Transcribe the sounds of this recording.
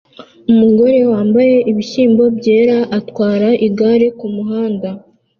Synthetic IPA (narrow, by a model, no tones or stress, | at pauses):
umuɡo̞ɾe̞waːmbaje̞ʔiβiʃiːmbo̞bje̞ːɾaʔatkwaːɾaʔiɡaɾekumuɦaːnda